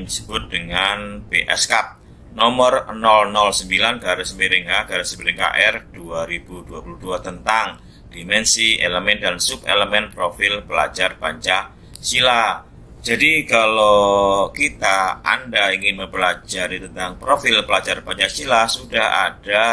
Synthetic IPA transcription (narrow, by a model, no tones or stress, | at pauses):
disə̥bʊt̪̚dəŋanbeʔɛ̰skap̚ | nɔmərnɔlnɔlsəmbilanɡaɾasəmbiɾɪŋaɡaɾasəmbiɾɪŋka̰ʔɛrduaɾibuduapuluhduat̪ənt̪aŋ | d̥imɛnsiʔeləmɛndansupḛləmɛnpɾofɪlpəla̰d͡ʒarpaɲt͡ʃa | sila | d͡ʒadikalokit̪aa̰ndaiŋɪnməmpəlad͡ʒaɾit̪ənt̪aŋpɾofɪlpəlad͡ʒarpaɲt͡ʃasilasudaha̰da